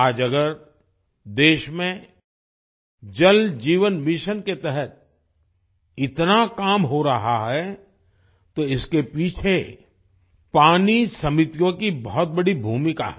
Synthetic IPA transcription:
aːd͡ʒɐɡəɾ | d̪eːʃmẽ | d͡ʒɐld͡ʒiːʋənmɪʃənket̪ɛɦɛt̪̚ | ɪt̪nakaːmɦoɾɐɦaɦɛ | t̪oɪskepiːt͡ʃʰe | paːnisɐmɪt̪ijõkibɔɦɔt̪̚bɐɽibʱuːmɪka̰ɦ

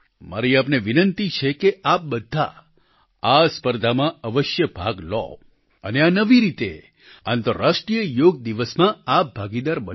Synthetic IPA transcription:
ma̰ɾiapneʋinənt̪it͡ʃʰekeʔap̚bəd̪ʱːa̰ | aspəɾd̪ʱamãəʋəʃjəbʱa̰ɡlɔ̰ | əneanəʋiɾit̪e | ãnt̪əɾaʃʈɾijəjoɡ̚d̪iʋəsmãap̚bʱaɡid̪aɾbə

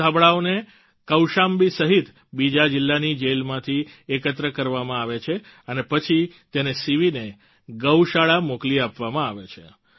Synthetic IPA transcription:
abɭaone | kəwʃambisəɦit̪ | bid͡ʒad͡ʒɪlːanid͡ʒelmãt̪ʰiekət̪ɾəkəɾʋamãaʋet͡ʃʰe | ənepət͡ʃʰit̪enesiʋine | ɡəwʃaɭamokliapʋamãaʋet͡ʃʰḛ

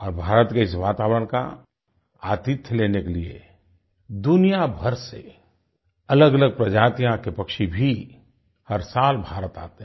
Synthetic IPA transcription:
ɔːɾbʱaːɾət̪keɪsʋaːt̪aːwɾəɽ̃ka̰ | aːt̪ɪt̪ʰjleːnekeliḛ | d̪ʊnijabʱəɾse | ɐləɡələɡ̚pɾɐd͡ʒaːt̪ijãkepɐkʃibʱi | həɾsaːlbʱaːɾət̪a̰ːt̪eɦ

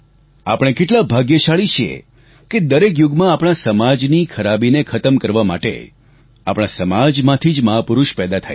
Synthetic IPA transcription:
apəɽ̃ekeʈlabʱaɡjəʃaɭit͡ʃʰiḛ | ked̪əɾek̬juɡmãapɽ̃asəmad͡ʒnikʰəɾabinekʰət̪əmkəɾʋama̰ʈḛ | a̰pɽ̃asəmad͡ʒmãt̪ʰid͡ʒməɦapʊɾuʃpɛd̪at̪ʰa̰j

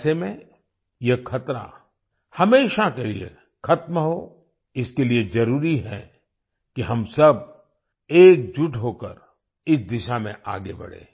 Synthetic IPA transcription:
semẽ | jɐkʰɐt̪ɾa̰ | hɐmeːʃakeliḛ | kʰɐt̪mɦo | ɪskeliezɐɾuːɾiɦɛ̰ | kiɦɐmsɐb̚ | eːk̚d͡ʒʊʈʰɦoːkə̰ɾ | ɪsd̪ɪʃamḛ̃ʔa̰ːɡebɐ̰ɽ̤ḛː

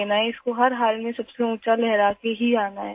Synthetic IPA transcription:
eːnaɦɛɪskoɦɐɾɦaːlmẽsɐbseũːt͡ʃalɛɦɾaːkeɦiaːnaɦɛ

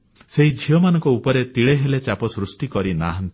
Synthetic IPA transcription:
seɦid͡ʒʱijɔmanɔ̃ŋkɔupɔɾet̪iɭeɦelet͡ʃapɔsɾusʈikɔɾinaɦnt̪

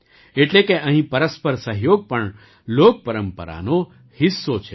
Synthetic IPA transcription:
eʈlekeʔəɦĩpəɾəspəɾsəɦjoɡ̚pəɳ | lok̚pəɾəmpə̰ɾa̰no | hɪsːot͡ʃʰe

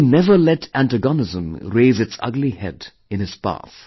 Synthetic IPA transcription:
inɛvəlɛtʰæ̃ntəɡɔnɪzə̃mɾeːzɨtsʌ̰ɡlihɛd | ɨ̃nɨz̥pa̰θ

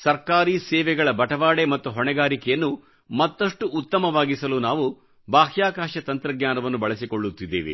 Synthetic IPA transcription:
sɐɾkaːɾiːsɛːʋɛɡɐɭɐbɐʈɐʋaːɽemɐt̪ːuɦɔɳɛɡaːɾikɛjɐnːu | mɐt̪ːɐʂʈuːt̪ːɐmɐʋaːɡisɐluːnaːʋu | baːɦjaːkaːʃɐt̪ɐnt̪ɾɐɡɲaːnɐʋɐnːubɐɭɐsikoɭːut̪ːid̪ːeːʋḛ

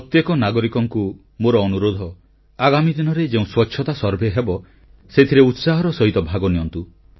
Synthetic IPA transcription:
pɾɾɔt̪jekɔnaɡɔɾikɔŋku | moɾɔːnuɾod̪ʱɔ | aɡamid̪inɔɾed͡ʒeũswɔtːʃʰɔt̪asɔɾbʱeɦebɔ | set̪ʰiɾeut̪saɦɔɾɔsɔɦit̪ɔbʱaɡɔnijɔnt̪u

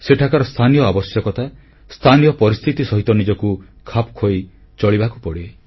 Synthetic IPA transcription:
seʈʰakaɾɔst̪ʰanijɔabɔsjɔkɔt̪ʰa | st̪ʰanijɔpɔɾist̪ʰit̪isɔɦit̪ɔnid͡ʒɔku | kʰapkʰoj | t͡ʃɔɭibakupɔɽie

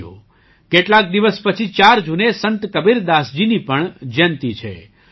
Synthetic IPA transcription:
o̰ | keʈlak̚d̪iʋəspət͡ʃʰit͡ʃaɾd͡ʒunesənt̪kəbiɾd̪asd͡ʒinipəɳd͡ʒənt̪it͡ʃʰḛ

